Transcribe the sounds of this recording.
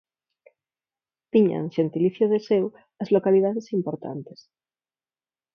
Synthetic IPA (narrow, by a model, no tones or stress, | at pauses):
t̪iɲa̰ŋʃent̪iliθjoð̞esew | ɐzlokalið̞aðesimpoɾt̪a̰nt̪e̥s